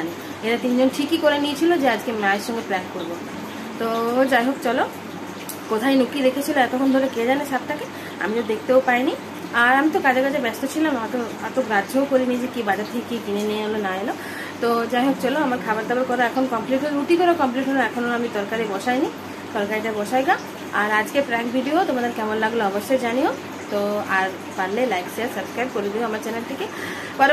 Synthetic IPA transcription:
ani | eɾat̪ind͡ʑonʈʰikikoɾenit͡ɕʰilod͡ʑead͡ʑkemaeʃɔŋɡeplɛnkoɾbo | t̪od͡ʑajɦok̚t͡ʃɔlo | kot̪ʰajnukid̪ekʰet͡ɕʰiloɛt̪okʰond̪ʱɔɾeked͡ʒanesap̚t̪ʰake | a̰mit̪ɔd̪ekʰt̪eopajni | aɾamit̪okad͡ʑekad͡ʑʰebɛst̪ot͡ɕʰilamat̪o | at̪oɡɾaookoɾinid͡ʑekibad͡ʑat̪ʰekekikineneaɦolonaɦelo | t̪od͡ʑaɦõkt͡ʃoloamaɾkʰabaɾd̪abaɾkɔɾaɛkʰonokɔmpliʈɦouʈikɔɾakɔmpliʈɦoloɛkʰonoamit̪ɔɾkaɾebɔʃajni | t̪ɔɾkaɾiʈabɔʃajɡa | aɾad͡ʑkepɾɛkbʱiɖiot̪omad̪eɾkɛmɔnlaɡloɔbɔʃːejd͡ʑanio | t̪oaɾ | paɾlelajkt͡ʃeɾsəbskɾajb̚koɾid̪iboamaɾt͡ɕɛnelʈike | bɔɾ

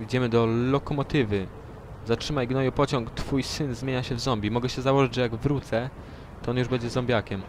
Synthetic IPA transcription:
id͡ʑɛmɘd̪ɔlɔkɔmɔt̪ɘvɘ | zatʂɘmajɡnɔjupɔt͡ɕɔŋkt̪fujsɘnzmʲjeɲaɕɛvzɔmbʲimɔɡɛɕɛzawɔʐɘd͡ʑʐɛjaɡvɾut̪sɛ | t̪ɔɔnjuʐbɛɲd͡ʑɛzɔ̃mbʲjakʲɛm

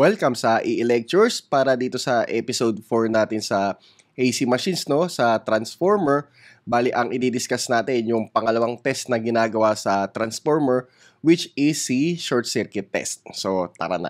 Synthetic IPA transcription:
wɛlkɐmsɐʔɪʔɪlɛk̚t͡ʃʊɹspaːɾɐd̪iːt̪o̞sɐʔɛpɪsod̪̚foɹnaːt̪ɪnsɐ | ʔejsimɐʃinsno̞sɐt̪ɾɐnsfoɹmɛɹ | baːliʔɐŋʔɪd̪iːd̪ɪskasnaːt̪ɛnjʊŋpɐŋɐlɐwaŋt̪ɛst̪̚nɐɡɪnaːɡɐwasɐt̪ɾɐnsfoɹmɛɹ | wɪt͡ʃɪsiʃoɹt̪̚sɛɾkɪt̪ːɛ̰st̪̚sot̪ɐ̰ɾɐ̰na̰

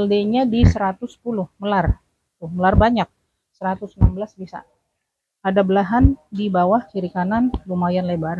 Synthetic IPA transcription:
aldeɲadisəɾat̪ʊspulʊhməlar | it̪ʊməlarbaɲak̚ | səɾat̪ʊsnambəlasbisa̰ | adabəlaɦandibawaht͡ʃiɾikananlumajanlebar

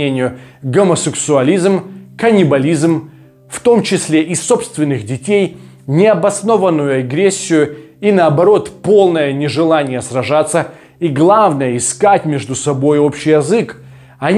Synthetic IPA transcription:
enʲɪjʊɡəməsʲɪksʊɐlʲizmkɐnʲɪbɐlʲizm | ft̪o̞mt͡ɕɪsʲlʲeʔɪso̞pst̪vʲɪnːɨxdʲɪtʲej | nʲɪɐbɐsno̞vənːʊjʊɐɡɾʲesʲːɪjʊ | inəːbɐɾo̞t̪po̞lˠnəjənʲɪʐɨlˠanʲɪjəsrɐʐat̪sːə | iɡlˠavnəjəɪskatʲmʲeʐd̪ʊsɐbo̞jo̞pɕːɪjɐzɨk | ɐnʲ

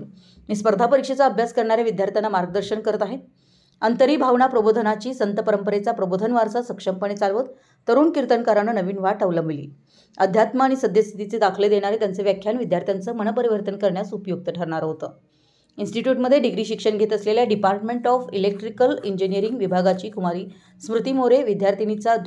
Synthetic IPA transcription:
miːspəɾd̪ʱapəɾikʂet͡saəbʱjaskəɾɳaɾjaʋid̪jaɾt̪ʰjanːamaɾɡəd̪əɾɕəɳkəɾət̪aɦe | ənt̪əɾiːbʱaʋɳapɾəbod̪ʱənat͡ɕiːsənt̪əpəɾəmpəɾet͡sapɾəbod̪ʱənʋaɾt͡sasəkʂəmpəɽ̃et͡salʋət̪ | t̪ːəɾuːnkiɾt̪ənkaɾanənəʋiːnʋaʈəʋləmbilḭː | əd̪ʱjat̪maːɽ̃isəd̪ʱjəst̪ʰit̪it͡sed̪akʰled̪eɽ̃aɾet̪jant͡seʋjakʰːjanʋid̪ʱjaɾt̪ʰjant͡səːmənəpəɾiʋəɾt̪ənkəɾɳjasupjoɡ̚t̪əʈʰəɾɳaɾɦot̪əː | insʈiʈjuːʈməd̪ʱːjeɖiɡɾiːɕikʂəɳɡʱet̪əsleljaɖipaɾʈmeɳʈɔfilek̚ʈɾikəliɲd͡ʑinijəɾiŋɡʋibʱaɡat͡ɕiːkʰumaɾiː | smɾut̪imoɾeʋid̪ʱjaɾt̪ʰinit͡sa

